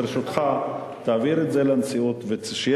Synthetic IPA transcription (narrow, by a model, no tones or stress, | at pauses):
ʁʃot̪χa | t̪aːviɾetzelant͡siut̪veʃj